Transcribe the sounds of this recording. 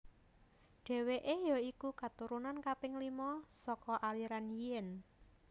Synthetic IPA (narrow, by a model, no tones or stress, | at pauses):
ɖ̥e̤weʔejɔikukat̪uɾunankapɪŋlimɔsɔkɔʔaliɾanijɛn